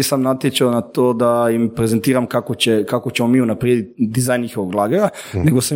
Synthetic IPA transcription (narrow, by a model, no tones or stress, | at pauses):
isamnat̪jet͡ʃaonat̪o̞ːd̪aimpɾe̞ze̞nt̪iːɾamkakot͡ɕekako̞t͡ɕe̞mo̞miːunapɾjed̪it̪̚d̪izajnɲixoʋoɡlˠaːɡeɾa | ne̞ɡosam